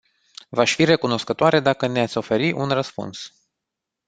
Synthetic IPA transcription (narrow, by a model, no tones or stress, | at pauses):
vaʃʲfire̞kuno̞skət̪oaɾe̞d̪akəne̞at̪sʲo̞fe̞ɾiʔunrəspṵns